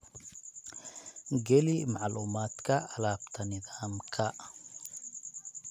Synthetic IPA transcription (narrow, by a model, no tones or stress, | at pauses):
ɡɛlimaʕluːmaːt̪kɐːlaːbt̪ʰɐnɪd̪aːmkʰɐʔ